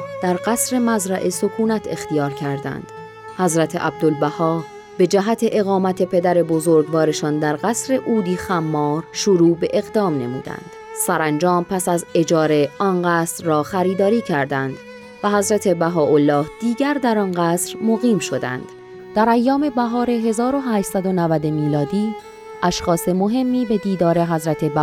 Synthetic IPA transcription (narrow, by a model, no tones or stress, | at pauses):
d̪̥æɾɢæsɾe̞mæzɾæʔeso̞kʰuːnæt̪ʰe̞xt̪ijɒːɾcʰæɾd̪æ̰nd̪̥ | hæzɾæt̪ʰeʔæb̚d̪olbæhɒː | be̞d͡ʒæɦæt̪ʰe̞ʔe̞ɣɒːmæt̪ʰe̞pʰe̞d̪æɾe̞bo̞zoɾɡbɒːɾeʃɒːnd̪æɾɣæsɾe̞ʔuːd̪iːxæmːɒːɾʃuɾuːbe̞ʔe̞ɣd̪ɒːmne̞̰mṵːd̪æ̰nd̪̥sæɾænd͡ʒɒːmpʰæsæze̞d͡ʒɒːɾe̞ʔɒnɢæːsɾːɒːxæɾiːd̪ɒːɾiːcʰæɾd̪ænd̪ | væɦæzɾæt̪ʰe̞bæɦɒːʔolːɒːhd̪̥iːɟæɾd̪æɾɒnɢæːsɾmoɣiːmʃo̞d̪æ̰nd̪̥ | d̪̥æɾæjːɒːme̞bæɦɒːɾe̞ɦe̞zɒːɾo̞ɦæːʃt̪sæd̪o̞nævæd̪emiːlɒːd̪iː | ʔæʃxɒːse̞mo̞ɦe̞mːiːbe̞d̪iːd̪ɒːɾe̞ɦæzɾæt̪ʰe̞bæ